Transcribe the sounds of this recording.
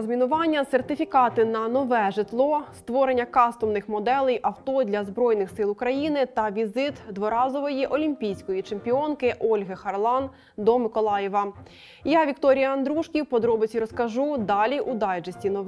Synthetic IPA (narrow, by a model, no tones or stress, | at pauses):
zmʲinʊʋɑnʲːɐsert̪ɪfʲikɑt̪ɪnɐnɔʋɛʒɪt̪lˠɔst̪ʋɔɾenʲːɐkɑst̪ɔmnɪxmɔd̪ɛlˠɛjʔɐwt̪ɔd̪ʲlʲɐzbɾɔjnɪxsɪlˠʊkɾɐjinɪt̪ɐʋʲizɪt̪d̪ʋɔɾɑzɔʋɔjiʔɔlʲimʲpʲijsʲkɔjit͡ʃempʲiɔnkɪʔɔlʲɦɪxɐrlˠɑn | d̪ɔmɪkɔlˠɑjɛʋɐ | jaʋʲikt̪ɔɾʲijɐɐnd̪ɾuʃkʲiwpɔd̪ɾɔbɪt͡sʲiɾɔskɐʒud̪ɑlʲiʔud̪ɑd͡ʒɐsʲtʲinɔ